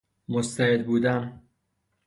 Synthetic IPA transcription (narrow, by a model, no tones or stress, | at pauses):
most̪ʰæhed̪buːd̪æn